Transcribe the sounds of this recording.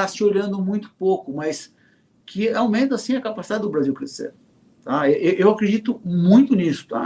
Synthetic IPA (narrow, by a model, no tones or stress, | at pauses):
asɪoʎɐ̃nd̪ʊmũj̃t̪ʊpowkʊmɐs | kʰɪawmẽnt̪ɐasĩɐkapasi̥d̪ad͡ʒɪd̪ʊbɾaziwkɾesḛɾ | t̪aeʔewʔewakɾed͡ʒit̪ʊmũj̃t̪ʊnisʊ̥t̪a̰